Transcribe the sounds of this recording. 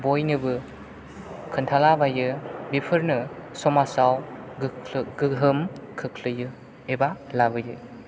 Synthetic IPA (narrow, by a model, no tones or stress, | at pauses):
bojnɯbɯ | kʰɯntʰalabajɯbipʰɯɾnɯsɔmasawɡɯɡɯɦɯmkʰɯkʰlɯjɯ | ebalabɯjɯ